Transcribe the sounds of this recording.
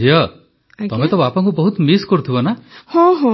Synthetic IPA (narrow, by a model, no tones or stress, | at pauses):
ijɔ | t̪ɔmet̪ɔbapɔ̃ŋkubɔɦut̪miskɔɾut̪ʰibɔnahɔ̃ɦɔ̃